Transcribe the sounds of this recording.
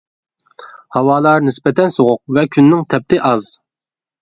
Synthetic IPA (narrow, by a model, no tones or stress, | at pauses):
hɑwɑːlˠɑɾnɪspɛt̪ʰɛnsoʁʊq̚vɛkʲʰynːɪŋt̪ʰɛp̚t̪ʰɪʔɑz